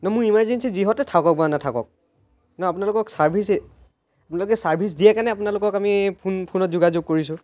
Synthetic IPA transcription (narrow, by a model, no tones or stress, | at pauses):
nɔmʊɹimaɹzensiziɦɔtɛtʰakɔk̚banatʰakɔ̰k̚ | nɔap̬unalʊkɔksaɹbʰʱisɛ | apunalʊkɛsaɹbʰʱis̬dijɛkanɛapunalʊkɔkamipʰunpʰunɔtzuɡazʊɡ̚koɹisʊ̃